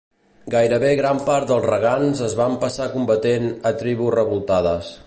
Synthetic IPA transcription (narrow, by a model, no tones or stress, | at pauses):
ɡajɾəβeɣɾampaɾt̪̚d̪əlˠzrəɣ̞anzəzβampəsakumbət̪enət̪ɾiβuzrəβulˠt̪aðəs